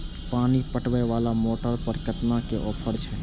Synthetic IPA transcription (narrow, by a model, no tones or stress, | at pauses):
panipəʈbɛʋalamoʈəɾpəɾkət̪nakeʔɔːpʰəɾt͡ʃʰɛ